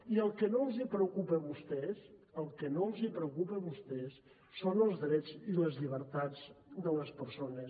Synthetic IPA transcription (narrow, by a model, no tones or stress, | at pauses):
iəlˠkənolˠzipɾəukupəβust̪ɛsəlˠkənoəlˠzipɾəukupəβust̪ɛsː | onəlˠzðɾɛd͡ziləzʎiβ̞əɾt̪ad͡zd̪ələspəɾsonəs